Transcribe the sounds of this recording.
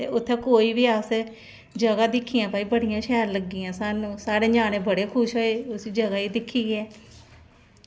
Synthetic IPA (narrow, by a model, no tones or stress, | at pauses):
t̪ḛːʊt̪ʰːẽːkoːiːʋiːaːse | d͡ʒəɡaːd̪ɪkʰːiːjãːpaːiːbəɽɪjãːʃɛːɾləɡːiãːsaːnũːsaːɽeːɲaːneːbəɽeːkʰʊʃɦoːeːʊsiːd͡ʒəɡaːiːd̪ɪkʰːiːɡeɛː